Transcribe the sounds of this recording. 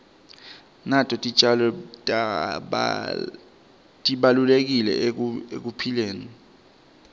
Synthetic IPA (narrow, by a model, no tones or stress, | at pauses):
natʰʼɔtʼit͡ʃʼalɔtʼ | tʼiɓalulek̬ilɛ̰ḛk̬upʰileːni